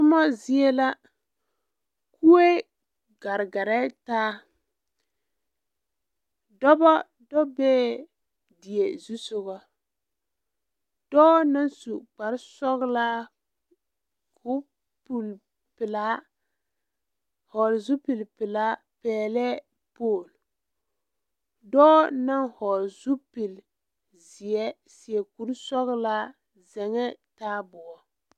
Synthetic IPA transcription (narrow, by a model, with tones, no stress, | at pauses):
tʊ˦mɔ˦zi˦e˦la˦ | ku˦e˦ | ɡa˨ɾɡa˨ɾɛ˦taː˦ | dɔ˦bɔ˦ | dɔ˦bɛː˦ | dɪ˨e˨zu˦sʊ˨ɣɔ˨ | d̥ɔː˦na˦nsu˨k͡pa˨ɾsɔ˦ɣla˦ | kʰʊ˦ | pu˨l | pɪ˨la˦ | hɔ˨lzu˦pi˨lpɪ˨la˦ | pɛː˨lɛ˦ | poː˦˨l | dɔː˦na˦nhɔ˨ɾzu˦pi˨l | zɪ˨ɛ˦ | sɪ˨ɛ˨ku˨ɾsɔ˦ɣla˦ | zɛ˨ŋɛ˦taː˦bʊ˨ɔ˨